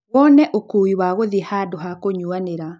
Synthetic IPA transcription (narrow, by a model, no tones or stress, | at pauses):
wɔnɛʔokuːwiwaɣoðihadoɦakoɲuaneɾa